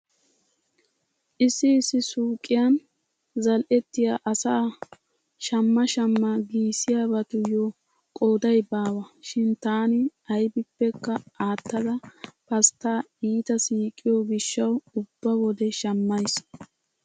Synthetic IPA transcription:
ʔɪsːɪːsːɪsuːkʼɪjɐn | zɐlʔɛt̪ːɪjaːʔɐsaː | ʃɐmːɐʃɐmːɐɡiːsɪjabɐt̪ʊjo | kʼoːd̪ɐjbaːwɐʃɪnt̪aːnɪɐjbɪpːɛkːɐaːt̪ːɐd̪ɐpɐst̪ːaːiːt̪ɐsiːkʼːɪjobɪʃːɐwʊbːɐwɔd̪ɛʃɐmːɐjs

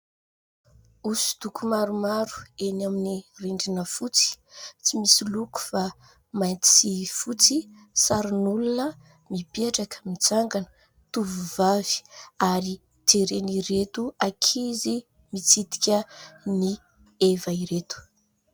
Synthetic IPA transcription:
usi̥t̪ukumaɾumaɾu̥enaminireɳɖ͡ʐinəfut͡si̥t͡simisiluku̥fa | majt̪ifut͡si | saɾinulunə | mipeʈ͡ʂakəmit͡saŋɡanə̥ | t̪uvuvavi̥aɾi | t̪eɾeniɾet̪uakʰizi | mit͡sit̪i̥kʲəni | evaiɾet̪u̥

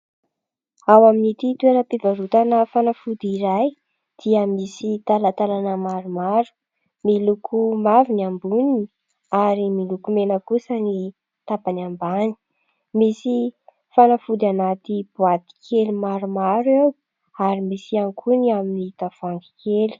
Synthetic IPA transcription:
awaminit̪it̪ueɾəpivaɾut̪anəfanafud̪iɾaj | d̪̥iəmisit̪alat̪alanəmaɾumaɾu̥ | milukʰumavinambunini | aɾimilukumenəkusəni | t̪apanambani̥ | misi | fanafud̪anat̪ib̥uat̪i̥kʰelimaɾumaɾew | aɾimisiaŋkʰuniaminit̪av̥aŋɡi̥kʰeli̥

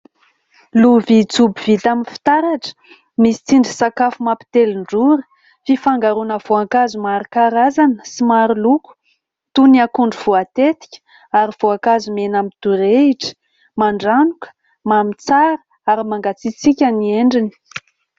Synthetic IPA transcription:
luvit͡subiv̥it̪aminfi̥t̪aɾaʈ͡ʂə̥ | misi̥t͡siɳɖ͡ʐisakafumapi̥t̪eliɳɖ͡ʐuɾə̥ | fifaŋɡaɾunəv̥oakazumaɾikaɾazanəsimaɾiluku̥ | t̪uniakuɳɖ͡ʐuv̥uat̪et̪i̥kʲə̥ | aɾiv̥oakazumenamit̪uɾeiʈ͡ʂə̥ | maɳɖ͡ʐanukə̥ | mamit͡saɾə | aɾimaŋɡat͡sit͡sikʲanieɳɖ͡ʐini̥

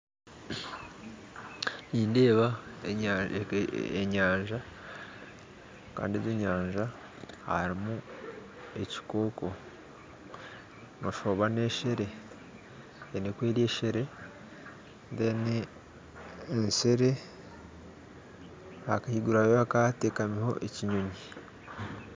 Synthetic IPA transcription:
iːndeːβa | eɲaːɲʒa | ka̰ːndiezeɲaːɲʒa | ha̰ɾimu | e̞ci̥ko̞ːko̞ | noʃoβaneːʃeɾe̞ | enekwe̞ːɾije̞ːʃeɾe | ndene | nse̞ɾe | akahiɡuɾaβoβakateːkamiho̞̰ʔeciɲoɲi

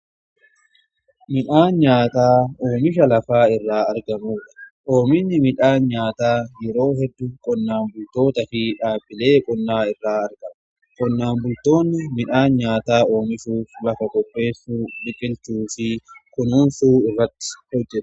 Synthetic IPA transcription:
mɪᶑaːnɲaːt̪aːoːmɪʃɐlɐfaːɪrːaːɐɾɡɐmuːᶑɐ̥ʔo̞ːmɪnːɪmɪᶑaːnɲaːt̪aːjɛɾo̞ːɦɛd̪ːʊkʼɔnːaːmbʊlt̪o̞ːt̪ɐfiᶑaːbːɪle̞ːkʼɔnːaːɪrːaːɐɾɡɐm | kʼɔnːaːmbʊlt̪o̞ːnːɪmɪᶑaːnɲaːt̪aːo̞ːmɪʃuːflɐfɐkʼɔpʼːe̞ːsːuːᶑɪkʼɪlt͡ʃuːfɪkʊnuːnsuːɪrːɐt̪ːɪ̥hɔd͡ʒːɛt̪ʼʊ̥

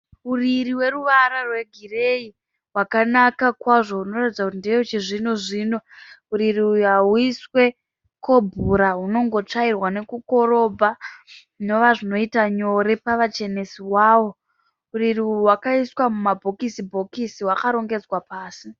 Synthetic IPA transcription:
uririwe̞ruʋaɾarwe̞ɡʱirei | wakanakakwaʐo̞uno̞ratid͡zakutindijot͡ʃeʐinoʐiːno̞uɾiriujɦaɦuiswe̞ | ko̞bʱuɾaɦuno̞ŋɡo̞t͡ʂairwane̞kuko̞ɾo̞bʱa | no̞ʋaʐino̞itaɲo̞ɾe̞paʋat͡ʃe̞nesiwaːwo̞ | uririuwakaiswamumabʱo̞kisibʱo̞kisiwakaɾo̞ŋɡe̞d͡zwapaːsi

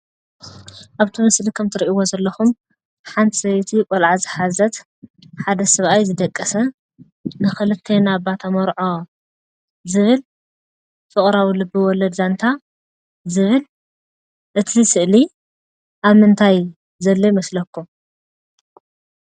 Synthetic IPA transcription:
ʔaβt̪ʰimɨslikʰɐmt̪ʰɨɾʔiwozɐlːɐxum | ħant̪ʼzɐjt̪ʰikʼɔlʕazɨħazɐt̪ | ħad̪ɐsɐβʔajzɨd̪ɐkʼːɐsɐ | nɨxɨlɨt̪ʰːenabat̪ʰamɔɾʕo̞ | zɨβɨl | fɨχʼɾawilɨbɨwɔlɐd̪zant̪ʰa | zɨβɨl | ʔɨt̪ʰisɨʔli | ʔaβmɨnt̪ʰaj | zɐlːojmɐslɐkʰːum

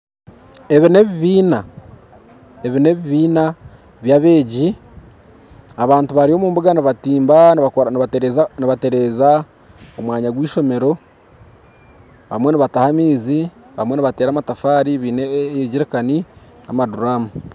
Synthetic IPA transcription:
e̞βine̞βiβiːna | eβine̞βiβiːna | βjaβe̞ːɟi | aβaːntuβaɾio̞muːmbuɡaniβatiːmba | niβate̞ɾeːza | omwaːɲaɡwiːʃo̞me̞ɾo̞ | βa̰mwe̞niβatahamiːzi | βamwe̞niβate̞ːɾamatafaːɾiβiːneɟiɾekani | a̰maduɾaːmu

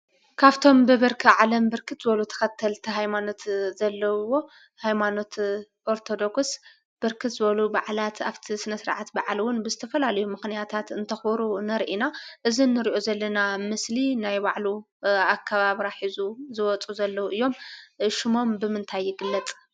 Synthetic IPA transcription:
kʰaβt̪ʰo̞mbɨβɨɾkʰiʕalɐmbɨɾkʰɨt̪zɨβɐlut̪ʰɐ̥xɐt̪ʰːɐlt̪ʰiɦajmano̞t̪zɐlːɐwo̞ | hajmano̞t̪ | ʔo̞ɾt̪ʰo̞d̪o̞ks | b̥ɨɾkʰɨt̪zɨβɐlubaʕlat̪aβt̪ʰisɨnɐsɾa̰ʕat̪baʕlwʊnbɨzɨt̪ʰɐfɐlalɐjumɨxnijat̪ʰat̪ɨnt̪ʰɐxbɐɾunɐɾʔinaʔɨzinːɨɾiʔo̞zɐlːɐnamɨslinajbaʕlu | akʰːaβaβiɾaħizuzɨwɔt͡sʼuzɐlːɐwuʔɨjːo̞mʃɪmo̞mbɨmɨnt̪ʰajːɪɡɨlːɐt͡s̪ʼ

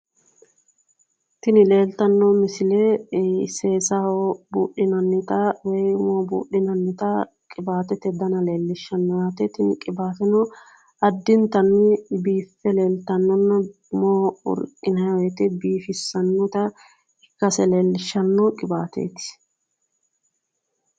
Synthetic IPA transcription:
t̪ɪnɪle̞ːlt̪ɐnːɔmɪsɪleseːsawobṵːɗɪnɐnːɪt̪ɐwɛjmoːbṵːɗːɪnɐnːɪt̪ɐ | kʼɪbaːt̪ɛt̪ɛd̪ɐnɐle̞ːlːɪʃːɐnːɔjaːt̪ɛt̪ɪnkʼɪbaːt̪ɛnɔ | ʔɐd̪ːɪnt̪ɐnːɪbiːfːɛle̞ːlt̪ɐnːɔnːɐ | moːʊ̰ɾkʼɪnɐjɐwɛt̪ɪbiːfɪsːɐnːʊt̪ɐ | ɪkːɐsɛle̞ːlːɪʃːɐnːɔkʼɪbaːt̪ḛːt̪ɪ̥

